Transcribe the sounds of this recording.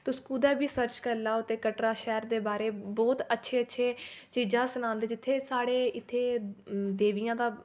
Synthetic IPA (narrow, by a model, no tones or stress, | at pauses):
t̪ʊskuːd̪ɛːbiːsəɾt͡ʃkəɾlaːot̪eːkəʈɾaːʃɛːɾd̪eːbaːɾeːbɔːt̪ətːʃʰeːətːʃʰeːt͡ʃiːd͡ʒãːsʊnãːnd̪eːd͡ʒɪt̪ʰːeːsaːɽeːɪt̪ʰːeːd̪eːʋijãːd̪aː